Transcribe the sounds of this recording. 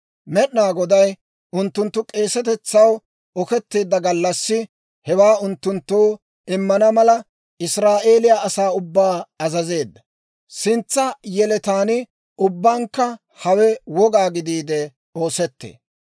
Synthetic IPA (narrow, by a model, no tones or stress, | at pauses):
mɛɗnaːɡɔd̪ɐj | ʔʊnt̪ːʊnt̪ːʊkʼe̞ːsɛt̪ɛt͡sːɐw | ɔkɛt̪ːeːd̪ːɐɡɐlːɐsːɪ | hɛwaːʊnt̪ːʊnt̪ːoː | ɪmːɐnɐmɐlɐ | ɪsɾaːʔe̞ːlɪjaʔɐsaːʊbːaːɐzɐze̞ːd̪ːɐ | sɪnt͡sːɐjɛlɛt̪aːnɪ | ʊbːaːŋkːɐ | hɐwɛwɔɡaːɡɪd̪iːd̪ɛ | o̞ːsɛt̪ːḛː